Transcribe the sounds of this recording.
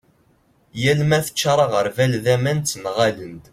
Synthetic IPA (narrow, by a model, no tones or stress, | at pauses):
jælmæθə̥t͡ʃːɾˤɑʁəɾvælðæmænt̪ːnʁalənd̪